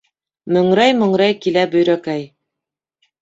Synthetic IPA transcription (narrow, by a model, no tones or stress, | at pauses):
mɵ̆ŋɾæjmɵ̆ŋɾæjkilæbɵ̆jɾækæj